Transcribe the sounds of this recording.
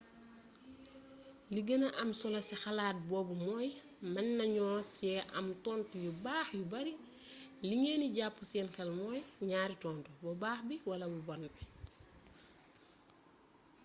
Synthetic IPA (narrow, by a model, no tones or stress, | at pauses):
liɡənɐʔɐmsɔlɐsixalaːt̚bɔːbumɔːj | mɐnːɐɲɔːsɛʔɐ̰mtɔːntujubaːxjubɐɾi | liŋeːniɟapːusɛnkɐlmɔjɲaːɾitɔːntubɔbaːxbiwɐlɐbɔbɔnbi